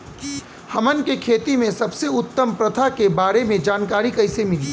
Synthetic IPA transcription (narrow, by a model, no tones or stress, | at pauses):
hɐmənkekʰeːt̪imẽsɐbseʊt̪ːəmpɾɐt̪ʰakebaːɾemẽd͡ʒaːnkaːɾikɐɪsemɪliː